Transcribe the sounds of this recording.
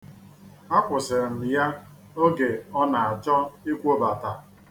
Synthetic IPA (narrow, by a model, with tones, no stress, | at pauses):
a˦kʷʊ˨sɪ˨ɾm̩˨ja˦ | o˦ɡe˨ɔ˦na˨a˨t͡ʃɔ˦i˦kʷo˦ba˨ta˨